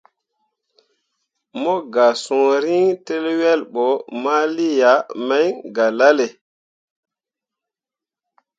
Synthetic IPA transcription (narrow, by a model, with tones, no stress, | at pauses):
mɔ˦ɡa˨sɔ̃˨ɾi˦ŋte˦lwɛ˦lɓɔ˨˦ma˦li˦ja˨˦mɛ˦jɡa˨la˦le˨